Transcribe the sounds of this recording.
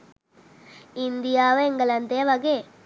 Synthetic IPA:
ind̪ijaːʋɐeŋɡɐlɐnt̪eːɐʋɐɡe

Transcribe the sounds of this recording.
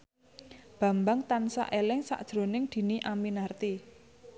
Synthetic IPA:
b̥ä̤mbaŋt̪ansa̰ʔelɪŋsa̰ʔd̥ʒ̥ɾo̤nɪŋd̪̥i̤niʔaminart̪i

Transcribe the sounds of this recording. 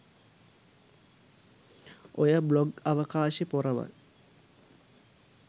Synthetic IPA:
ojɐbloɡɐʋɐkaːɕepurɐʋɐ̰l

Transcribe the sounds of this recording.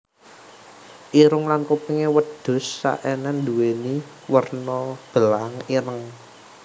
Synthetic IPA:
ʔiɾʊŋlankupiŋewəd̪̥ʊ̤sːa̰ʔɛnɛnd̪uweni | wərnɔb̥əlaŋiɾəŋ

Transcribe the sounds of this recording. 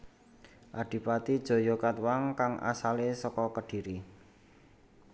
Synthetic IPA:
ʔaɖ̥i̤pat̪id̥ʒ̥o̤jokat̪̚waŋkaŋʔa̰salesɔkɔkəɖ̥i̤ɾi

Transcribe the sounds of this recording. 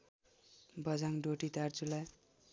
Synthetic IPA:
bʱʌd͡zaŋɖoʈit̪art͡sulaj

